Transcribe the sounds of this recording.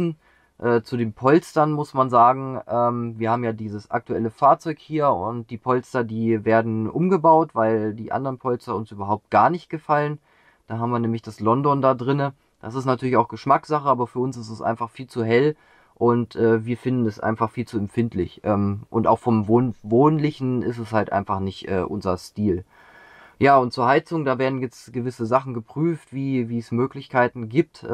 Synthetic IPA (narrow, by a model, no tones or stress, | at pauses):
n̩ | ʔɛːt͡sudeːnpʰɔlstɐnmʊsmanzaːɡŋ̩ʔɛːmviːɐhaːbm̩jaːdiːzəsʔa̰k̚tuɛləfaːɐt͡sɔʏkhiːɐʊ̰nt̚d̥iːpʰɔlstɐdiːveːɐdn̩ʔʊmɡəbaʊtv̥aɪldiːʔa̰ndəʁənpʰɔlstɐʊnsʔyːbɐɦaʊp̚t̚ɡ̥aːɐnɪçt̚ɡ̥əfalən | d̥aːɦaːbm̩viːɐnɛːmlɪçd̥aslɔndɔndaːdʁɪnə | d̥asɪstnatʰyɐlɪçaʊxɡ̥əʃmakz̥aχəʔaːbɐfyːɐʊnsɪstɛsʔa̰ɪnfaχfiːlt͡suɦɛl | ʔʊntʔɛːviːɐfɪndn̩ɛsʔa̰ɪnfaχfiːlt͡suɛmfɪntlɪ̰çʔɛːmʔʊnta̰ʊxfɔmvoːnvoːnlɪçn̩ɪ̰stɛshaltʔa̰ɪnfaχnɪçtʔɛ̰ːʔʊ̰nzɐstiːl | jaːʊnt̚t͡suːɐhaɪt͡sʊŋdaːveːɐdn̩jɛt͡sɡ̥əvɪsəzaχn̩ɡəpʁ̥yːftv̥iːviːɛsmøːklɪçkʰaɪtn̩ɡiːp̚t